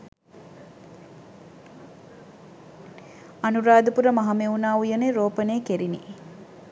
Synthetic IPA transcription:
ɐnuɾaːd̪upuɾəmɐɦɐmeunaːujɐneɾoːpɐneːkeɾini

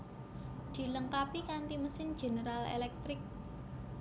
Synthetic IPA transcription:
d̪̥i̤ləŋkapikant̪iməsɪn̥ʒ̥e̤nəɾalḛlɛk̚t̪ɾɪk̚

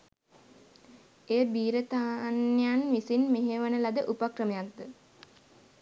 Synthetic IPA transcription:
eːbiːɾət̪aːnjanʋisinmeɦeʋənəlad̪əʔupakrəmejat̪d̪ə

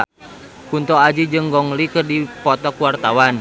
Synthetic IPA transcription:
kunt̪ɔad͡ʒid͡ʒɨŋɡɔŋlikɨrdipɔt̪ɔkuwart̪awan

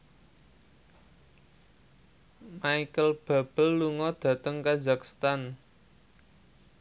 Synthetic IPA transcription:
maikəlb̥a̤b̥ə̤lːuŋɔd̪̥ä̤t̪əŋkazakst̪an

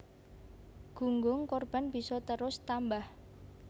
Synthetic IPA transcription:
ɡ̥uŋɡʊŋkɔrb̥a̤nb̥i̤sɔt̪əɾʊst̪ambah

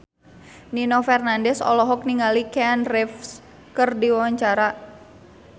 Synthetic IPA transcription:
ninofɛrnandɛsɔ̰lɔɦɔk̚niŋalikanrɛfs | kərdiwawaɲt͡ʃaɾa

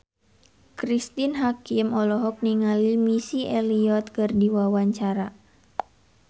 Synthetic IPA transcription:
kɾist̪inɦakimɔlɔɦɔk̚niŋalimisiʔɛliɔt̪̚kɨrdiwawaɲt͡ʃaɾa

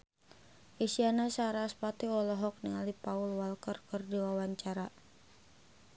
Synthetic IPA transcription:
ʔisianasaɾaːspat̪iɔlɔɦɔk̚niŋalipaʊlwalkərkɨrdiwawaɲt͡ʃaɾa

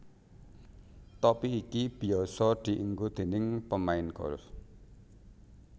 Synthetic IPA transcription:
t̪ɔpiːkib̥i̤ɔsɔd̪̥i̤ʔiŋɡod̪̥e̤nɪŋpəmaɪnɡ̥ɔ̰ɾ

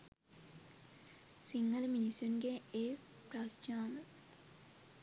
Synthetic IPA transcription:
siŋːɐlminisunɡeeː | pɾakt͡ʃaːmə

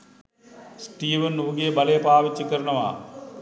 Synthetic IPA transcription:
sʈiːʋɐnːuʋɐɡeːbɐlejpaːʋit͡ʃːɐkəɾɐɳɐʋa̰

